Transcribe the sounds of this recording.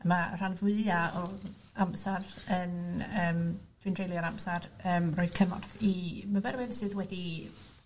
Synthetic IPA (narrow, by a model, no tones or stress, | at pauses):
mar̥anvʊɨaɔ | amsarənəːmd̥windrejlˠjaɾamsarəːmrɔɨd̥kʰəmɔ̰rθimavɛɾwɪnsɨːðwɛdi